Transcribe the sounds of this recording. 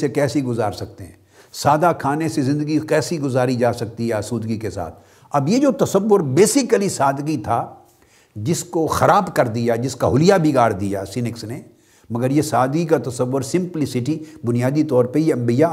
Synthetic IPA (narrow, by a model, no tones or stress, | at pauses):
sekɛːsiɡʊzaːɾsɐk̚t̪eɦɛ̃ː | saːd̪akʰaːnesezɪ̃nd̪əɡikɛːsiɡʊzaːɾid͡ʒaːsɐk̚t̪iɦɛsuːd̪ɡikesa̰ːt̪ʰ | ɐbjed͡ʒoːt̪ɐsəʋːʊɾbeːsɪkəlisaːd̪ɡit̪ʰa | d͡ʒɪskoxɐɾaːbkɐɾd̪ijad͡ʒɪskaɦʊlɪjabʱiɡaːɾd̪ijasɪnɪksne | mɐɡəɾjesaːd̪ɡikat̪ɐsəʋːʊɾsɪ̃mplɪsɪʈibʊnijaːd̪it̪ɔːɾpɐɾjeɐ̃mbija